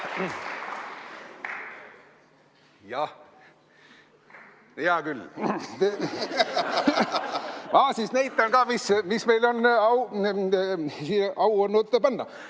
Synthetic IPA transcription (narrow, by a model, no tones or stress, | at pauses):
jɑ | jɑːkyle | mɑːsisnæjt̪ːˑɑnkɑːmismismejlonɑw | siʔɑwonːut̪ːpɑnːɑ̰